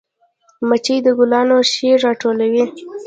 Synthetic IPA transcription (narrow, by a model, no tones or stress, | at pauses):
mat͡ʃəjd̪əɡʊlɑnoʃeɾːɑʈolawi